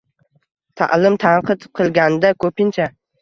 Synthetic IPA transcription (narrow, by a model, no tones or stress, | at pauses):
t̪ʰa̰ʔlɪmt̪ʰanqʰɨt̪qʰɨlˠɡʲanɪd̪akʰɵpɪnt͡ʃʰa